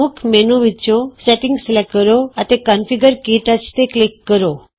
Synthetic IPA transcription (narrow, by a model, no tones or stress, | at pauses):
ukʰmɛnuʋit͡ʃõsɛʈiŋɡslɛkːəɾoat̪ekanfiɡəɾkiʈat͡ʃt̪eklikːəɾo